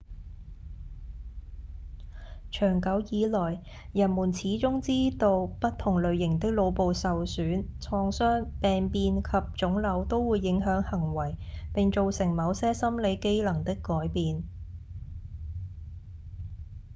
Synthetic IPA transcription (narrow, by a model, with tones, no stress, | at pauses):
t͡ʃʰœː˨˩ŋkɐ˨˥wjiː˨˧lɔː˨˩j | jɐ˨˩nmuː˨˩nt͡sʰiː˨˥t͡ʃʊ˥ŋt͡siː˥t̪o˧wpɐ˥t̚t̪ʰʊ˨˩ŋlɵ˨˧ɥjɪ˨˩ŋt̪ɪ˥k̚lo˨˧wpo˨wsɐ˨wsyː˨˥nt͡sʰɔː˧ŋsœː˥ŋpɛː˨ŋpiː˧nkʰɐ˨p̚t͡ʃʊ˨˥ŋlɐ˨˧˥wt̪o˥wwuː˨˧jːɪ˨˥ŋɦœː˨˥ŋhɐ˨˩ŋwɐ˨˩jpɪ˨ŋt͡ʃo˨˧wsɪ˨˩ŋmɐ˨˧wsɛː˥sɐ˥mle˨˧jke˥jlɐ˨˩ŋt̪ɪ˥kːɔː˨˥jpiː˨n